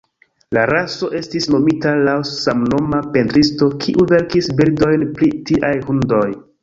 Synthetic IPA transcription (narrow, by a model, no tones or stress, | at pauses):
laɾaso̞ʔe̞stisno̞mitalawsamno̞mape̞ntɾisto̞kʰiʔuve̞ɾkisbiɾdo̞jnpɾitiʔajhundo̞j